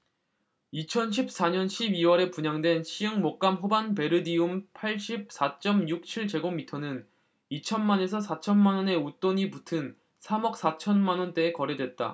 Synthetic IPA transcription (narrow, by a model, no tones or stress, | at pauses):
it͡ɕʰʌnɕ̬ʰip̚s͈aɲʌnɕʰibiwʌɾe̞puɲaŋdwe̞nɕʰiɯŋmok̚k͈amɸobanpe̞ɾɯdiumpʰaɭɕ͈ip̚s͈at͡ɕ͈ʌmjuk̚t͡ɕʰiɭt͡ɕe̞ɡomːitʰʌnɯn | it͡ɕʰʌnmane̞s̬ʰʌsʰat͡ɕʰʌnmanwʌne̞ut͈oɲiputʰɯn | sʰamʌk̚s͈at͡ɕʰʌnmanʌnt͈e̞ːkʌɾe̞dwe̞t̚t͈a̰